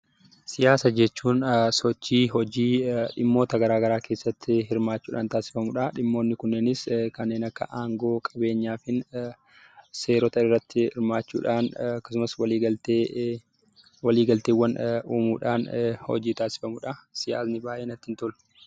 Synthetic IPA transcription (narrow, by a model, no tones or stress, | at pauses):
sɪjaːsɐd͡ʒɛt͡ʃːuːnsɔt͡ʃːiːɦɔd͡ʒiːᶑɪmːo̞ːt̪ɐɡɐɾaːɡɐɾaːkʰe̞ːsːɐt̪ːɪɦɪɾmaːt͡ʃːuːᶑa̰ːnt̪aːsɪ̥fɐmʊᶑɐᶑɪmːo̞ːnːɪkʊnːeːnɪskɐnːe̞ːnɐkːɐ̰ʔaːŋɡo̞ːkʼɐbe̞ːɲːaːfɪn | seːɾɔt̪ɐɪrːɐt̪ːɪɪ̰ɾmaːt͡ʃːṵːᶑaːnɐkːɐ̥sʊmɐswɐliːɡɐlt̪eː | wɐliːɡɐlt̪eːwːɐnuːmuːᶑaːnhɔ̰d͡ʒiːt̪aːsɪ̥fɐmʊᶑɐsɪja̰ːsnɪbaːjʔeːnɐt̪ːɪnt̪ʊlʊ̥